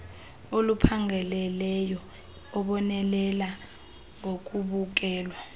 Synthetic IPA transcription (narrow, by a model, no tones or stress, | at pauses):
olupʰaŋʱɛlɛlɛjɔ | ɔɓɔnɛlɛla | ŋok̬ʼuɓuk̬ɛːlwa